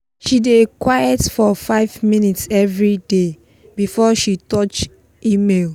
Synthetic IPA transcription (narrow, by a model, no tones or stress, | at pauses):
ʃidekwajɛtfɔfaɪvmĩnitsɛvɹide | bifɔʃitɔt͡ʃ | imel